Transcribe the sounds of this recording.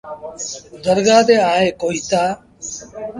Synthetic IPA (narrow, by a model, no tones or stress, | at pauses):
d̪əɾɡaːt̪eːaːɦeːkoːɦiːt̪aː